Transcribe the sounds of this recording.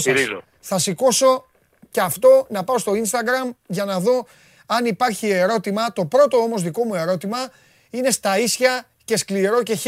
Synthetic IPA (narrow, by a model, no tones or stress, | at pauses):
ɾ | θɐsiko̞so̞ | ceɐft̪o̞nɐpɐost̪o̞inst̪ɐɡɾɐmʝɐnɐðo̞ | ɐnipɐɾçie̞ɾo̞t̪imɐt̪o̞pɾo̞t̪o̞o̞mo̞zðiko̞mue̞ɾo̞t̪imɐ | ine̞st̪ɐisçɐ | ce̞skliɾo̞ce̞